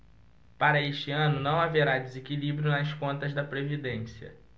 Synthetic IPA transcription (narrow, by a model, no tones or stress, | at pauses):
paɾɐeʃt͡ʃɪɐ̃nʊnɐ̃w̃aveɾad͡ʒɪzekilibɾjʊnɐskõnt̪ɐzd̪ɐpɾevid̪ẽsiɐ̰